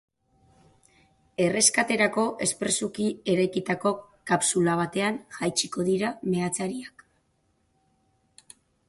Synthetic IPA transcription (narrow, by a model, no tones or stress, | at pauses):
e̞re̞skat̪e̞ɾako̞ʔe̞spɾe̞sukie̞ɾajkit̪ako̞kapsulaβ̞at̪e̞anʝajt͡ʃiko̞ðiɾame̞at͡saɾiak